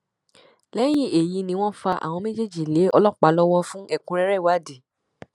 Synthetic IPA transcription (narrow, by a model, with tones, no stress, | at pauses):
lɛ˦j̃ĩ˦˨e˨ji˨˧˦nĩ˧w̃ɔ̃˦fa˧ʔa̰˨w̃ɔ̃˧me˦d͡ʒe˦˨d͡ʒi˨le˨˦ɔ˧lɔ˦k͡pa˨˦lɔ˦wɔ̃˦fũ˦ɛ˦˨kũ˧˦ɾɛ˦ɾɛ˦˨wa˨˦˨de˨